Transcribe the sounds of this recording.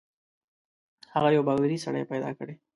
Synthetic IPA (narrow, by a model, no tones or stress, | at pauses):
haɣajawbaɣlaɾisa̰ɽə̰jpajd̪ɑ̰kəɽe